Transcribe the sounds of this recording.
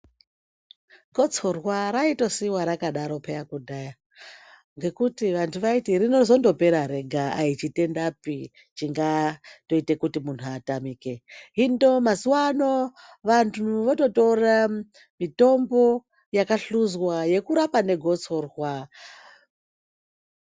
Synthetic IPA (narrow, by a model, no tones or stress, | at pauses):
ɡʱo̞t͡so̞rwaɾaito̞siwaɾakaɗaɾo̞pejakudaːja | ŋɡe̞kutiʋantʰuʋaitiɾino̞zo̞ndo̞pe̞ɾaɾe̞ɡʱaait͡ʃite̞ndapi | t͡ʃiŋɡato̞ite̞kutimun̤uatamike̞ɦindo̞mazuwano̞ | ʋantʰuʋoto̞tora | mito̞mbo̞ | jakaɬuzwaje̞kuɾapane̞ɡʱo̞t͡so̞rwa